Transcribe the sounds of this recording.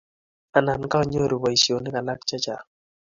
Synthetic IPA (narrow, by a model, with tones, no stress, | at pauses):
a˨na˨nka˦ɔ˦˨ɲo˦ɾi˨wa˨i˨sjo˨nɪ˦ka˨la˦kt͡ʃa˦t͡ʃa˨